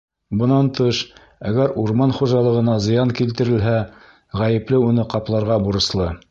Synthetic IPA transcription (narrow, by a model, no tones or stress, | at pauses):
bɤ̆nɑnt̪ɤʃ | æɡæɾuɾmɑnχuʒɑlˠɤ̆ʁɤ̆nɑzɤ̆jɑŋkilt̪ɘ̆ɾɘ̆lɦæ | ʁæjɘ̆plɘunɤqɑplˠɑɾʁɑbuɾɤ̆slˠɤ